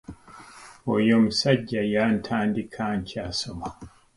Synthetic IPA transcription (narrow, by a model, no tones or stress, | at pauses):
wɔjɔmsad͡ʒːajaːntʰaːndikʰaːnkʰiasɔma